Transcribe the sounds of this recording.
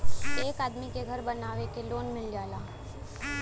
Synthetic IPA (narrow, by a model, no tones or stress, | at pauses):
ekad̪mikeɡʱəɾbənaʋekeloːnmɪld͡ʒala